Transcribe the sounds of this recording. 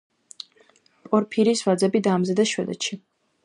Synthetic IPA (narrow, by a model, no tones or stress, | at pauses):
pʼɔɾpʰiɾisvad̪zɛbid̪aːmzɛd̪ɛʃwɛd̪ɛ̰ʃi